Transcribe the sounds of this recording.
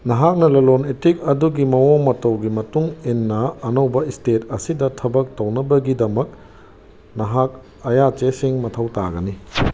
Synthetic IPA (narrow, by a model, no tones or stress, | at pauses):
nɐɦak̚nɐlɐlonetik̚ɐduɡimɐwomɐtɐwɡimɐtuŋenːɐːnɐwbɐistet̚ɐsidɐtʰɐbɐk̚tɐwnɐbɐɡidɐmɐk̚ | nɐɦak̚ | ɐjat͡ʃesiŋmɐtʰɐwta̰ɡɐni